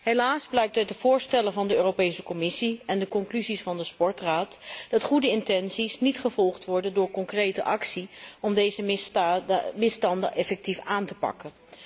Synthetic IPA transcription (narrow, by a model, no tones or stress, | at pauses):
ɦelaːzblɛjk̚tət̚dəv̥ʊːɹstɛləvɑndəøːrowpejsəkɔmɪsiɛndəkɔŋklyzisfɑndəspɔɹtraːtd̥ɑtχudəɪntɛnsisnitχəvɔlˠχtʋɔɹdəndʊːɹkɔŋkrejtəʔɑksiɔmdejzə | mɪstɑndə̰ʔɛfɛk̚tifaːntə̥pɑ̰kən